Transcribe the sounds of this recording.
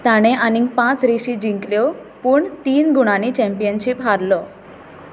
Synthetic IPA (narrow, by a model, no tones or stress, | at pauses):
t̪aɽ̃eʔaniŋpãt͡sɾiɕid͡ʑiŋkljɔ | puːɳt̪iːnɡuɽ̃anit͡ɕɛ̃mpijənɕipɦaɾlɔ